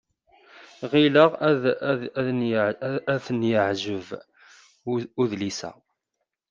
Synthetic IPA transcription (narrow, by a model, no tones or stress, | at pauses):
ʁiləʁ | æθənjəʕʒəv | uðlisæ̰